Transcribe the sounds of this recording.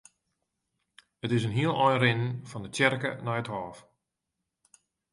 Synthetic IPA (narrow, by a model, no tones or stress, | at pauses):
ətɪsənɦiəlˠɔjnrɪnənfɔndətjɛrkə̰nɔjəthɔːf